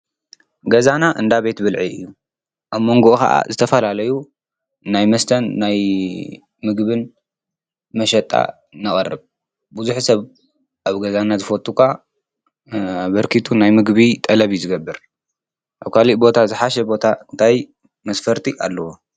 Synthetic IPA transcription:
ɡɐzanaʔɨnd̪aβe̞t̪bɨlʕiɨ̰jːu | ʔaβmo̞ŋɡo̞ʔkɐ̰ʔa̰zɨt̪ʰɐfɐlalɐju | najmɐst̪ʰɐnːaj | mɨɡβɨn | mɐʃɐt̪ʼa̰ | nɨχʼɐrːɨβ | buzuħsɐβ | ʔaβɡɐzanazɨfot̪ʼːukʰa | bɐɾkʰit̪ʰunajmɨɡβit̪ʼɐlɐβijzɨɡɐbːɨɾ | ʔaβkʰaliʔbo̞t̪ʰazɨħaʃɛbo̞t̪ʰaɨnt̪ʰaj | mɐsfɐɾt̪ʰiʔalːɐwo

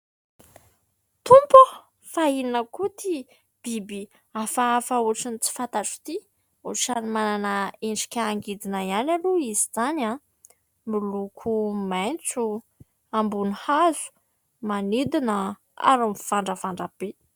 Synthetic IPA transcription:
t̪umpə | faininəkut̪i | b̥ibi | afafauʈ͡ʂinit͡si̥fant̪aʈ͡ʂu̥t̪i | uʈ͡ʂanimananəenɖ͡ʐi̥kʲaːŋɡid̪inaianaluizizana | milukʰumajnt͡su | ambunihazu̥ | manid̪inə | a̰ɾumfaɳɖ͡ʐəfaɳɖ͡ʐab̥e

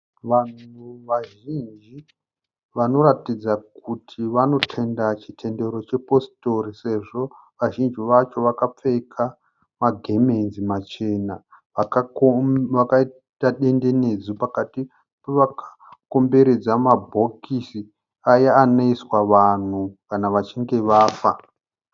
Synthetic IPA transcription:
ʋan̤uʋaʒind͡ʒi | ʋano̞ɾatid͡zak̚utʰiʋano̞tʰe̞ndat͡ʃitʰe̞nde̞ɾo̞t͡ʃe̞po̞sto̞rise̞ʐo̞ | ʋaʒind͡ʒiʋat͡ʃo̞ʋakap͡fe̞kʰa | maɡʱemenzimat͡ʃe̞na | ʋak | ʋakai | taɗe̞nde̞ne̞d͡zupakati | peʋakʰḁ | ko̞mbe̞ɾe̞d͡zamabʱo̞kisi | ajaːnoiswaʋan̤ukanaʋat͡ʃiŋɡe̞ʋaːfa

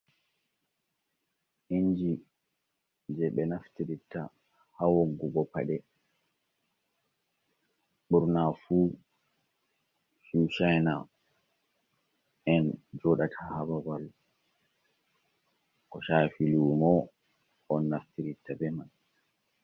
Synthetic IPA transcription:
ʔiɲd͡ʒi | d͡ʒɛɓɛnaftiɾitːa | hawoŋɡuɡɔpa̰ɗɛ | ɓuɾnafu | suʃajna | ɛnd͡ʒɔɗatʰahababal | kɔʃafiluːmɔ | ʔɔnːaftiɾitːabɛman

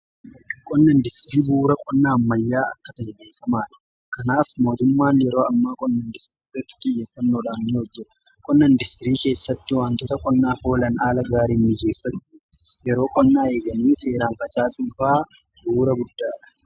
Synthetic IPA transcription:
kʼɔnːɐnd̪ɪst̪ɪɾiːbuːɾɐkʼɔnːaːɐmːɐjːaːɐ̰kːɐt̪ɐhɛbeːfɐmaːᶑɐ̥ | kɐnaːfmo̞ːt̪ʊmːaːnjɛɾo̞ːɐmːaːkʼɔnːɐnd̪ɪst̪ɪɾiiːrɐt̪ːɪ̥t̪ʼɪjːeːfːɐnːoːᶑaːnnɪhɔd͡ʒːɛᶑɐ̥ | kʼɔnːɐnd̪ɪst̪ɪɾiːke̞ːsːɐt̪ːɪwaːnt̪ɔt̪ɐkʼɔnːaːfo̞ːlɐnaːlɐɡaːɾiːmːɪjːeːfːɐn | jɛɾo̞ːkʼɔnːaːe̞ːɡɐniːse̞ːɾaːnfɐt͡ʃʼaːsuːfaː | buːɾɐɡʊd̪ːaːᶑɐ̥

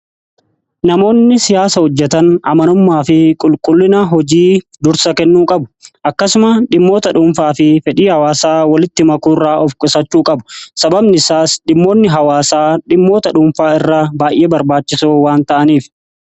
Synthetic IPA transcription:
nɐmo̞ːnːɪsɪjaːsɐhɔd͡ʒːɛt̪ɐnɐmɐnʊmːaːfɪkʼʊlkʼʊlːɪnɐɦɔd͡ʒiː | d̪ʊɾsɐkɛnːuːkʼɐbʊ̥ʔɐkːɐsʊmɐᶑɪmːo̞ːt̪ɐᶑʊːmfaːfɪfɛᶑiːhɐwaːsaːwɐlɪt̪ːɪmɐkuːrːaːʔɔfkʼɪsɐt͡ʃːuːkʼɐbʊ̥sɐbɐbnɪsaːsᶑɪmːo̞ːnːɪɦɐwaːsaːᶑɪmːo̞ːt̪ɐᶑuːmfaːɪrːɐbaːjʔeːbɐɾbaːt͡ʃːɪsoːwaːnt̪ɐʔɐniːf

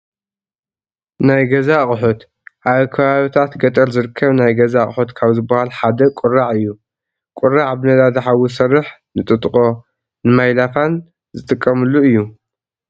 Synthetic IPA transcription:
najɡɐzaχʼɨħot̪ | ʔaβkʰɐβaβit̪ʰat̪ɡɐt̪ʼɐlzɨɾɨkʰːɐβnajɡɐzaχʼħot̪kʰaβzɨbɐhalħad̪ɐkʷʼʊraʕɨjːu | kʼʊɾaʕbɨnɐd̪ad̪ɨħawusɐrːɨħnɨt̪ʼɨt̪ʼχʼo̞ | nɨmajlat̪ʰan | zɨt̪ʼɨkʼːɐmɨlːuɨjːu

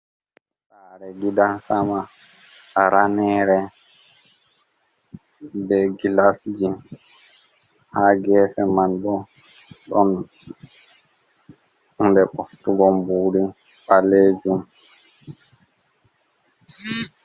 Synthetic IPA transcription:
saːɾɛɡidansamaː | ɾanɛːɾɛ | bɛɡilasd͡ʒin | haːɡɛːfɛmanɗɔ | ɗɔn | undɛɓɔftuɡɔmbuːɾi | ɓaleːd͡ʒum

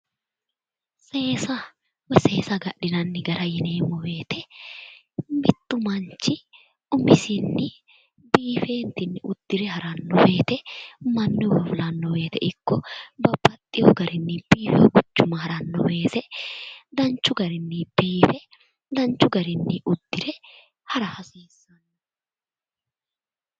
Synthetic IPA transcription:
se̞ːsɐ | wɛse̞ːsɐɡɐʔɪnɐnːɪɡɐɾʔɐjɪneːmːɔwe̞ːt̪ɛ | mɪt̪ʼːʊmɐnt͡ʃːɪ | ʊmɪsɪnːɪ | biːfeːnt̪ɪnːɪʔʊd̪̥ːɪɾɛhɐɾɐnːɔwe̞ːt̪ɛmɐnːɪwɐflɐnːɔwe̞ːt̪ɛʔɪkːɔbɐbːɐt̪ʼːɪjɔ̰ɡɐɾɪnːɪb̥iːfɛɡʊt͡ʃːʊmɐɦɐɾɐnːɔweːt̪ɛd̪ɐnt͡ʃːʊɡɐɾɪnːɪb̥iːfɛ | d̪ɐnt͡ʃːʊɡɐɾɪnːɪʔʊd̪̥ːɪɾɛ | hɐɾɐhɐsiːsːɐnː

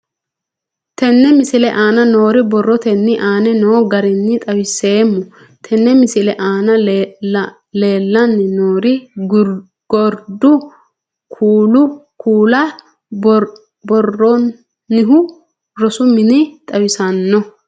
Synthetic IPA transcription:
t̪ɛnːɛmɪsɪlɛʔaːnɐno̞ːɾɪbɔrːɔt̪ɛnːɪʔaːnɛnoːɡɐɾɪnːɪt̪ʼɐwɪse̞ːmːʊ | t̪ʰɛnːɛmɪsɪlɛʔaːnɐ | le̞ːlːɐnːɪnoːɾɪ | ɡɔɾd̪ʊ | kʰuːlʊkʰuːlɐ | bɔrːɔː | ɪɦʊ | ɾɔsʊmɪnɪt̪ʼɐwɪsɐnːɔ

